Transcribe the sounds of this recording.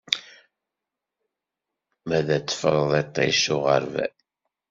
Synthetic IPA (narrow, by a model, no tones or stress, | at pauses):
mæðæt͡sːə̥fəɾˤðˤet̪ˤːḛʃʊʁəɾvæ̰